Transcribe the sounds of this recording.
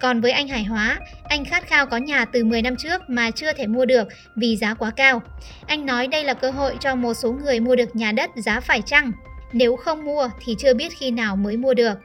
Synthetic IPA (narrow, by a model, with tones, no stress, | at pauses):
kɔ˨˩nvəː˨˦jʔa˧jŋ̟ɦaː˧˩jɦwaː˨˦ʔa˧jŋ̟xaː˦˥t̚xaː˧wkɔ˨˦ɲaː˨˩t̪ɨ˨˩mɨ˨˩əjna˧mt͡ɕɨ˦˥ək̚maː˨˩t͡ɕɨ˧ət̪ʰe˧˩mu˧əɗɨ˨˩ək̚ | vi˨˩zaː˨˦kwaː˨˦kaː˧w | ʔa˧jŋ̟nɔ˨˦jɗə˧jlaː˨˩kəː˧ɦo̰˧˨jt͡ɕɔ˧mo˨˩t̚so˨˦ŋɨ˨˩əjmu˧əɗɨ˨˩ək̚ɲaː˨˩ɗə˦˥t̚zaː˨˦faː˧˩jt͡ɕa˧ŋne˨˦wxə˧wŋ͡mmu˧ət̪ʰi˨˩t͡ɕɨ˧əɓi˦˥ət̚xi˧naː˨˩wməː˨˦jmu˧əɗɨ˨˩ək̚